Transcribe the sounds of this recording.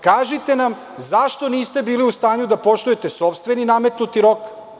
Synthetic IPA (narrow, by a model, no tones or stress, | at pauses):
kaːʒit̪e̞nam | zaʃt̪o̞niːst̪e̞biːliust̪aːɲud̪apo̞ʂt̪ujet̪e̞so̞pst̪ʋe̞niname̞t̪nut̪iɾo̞k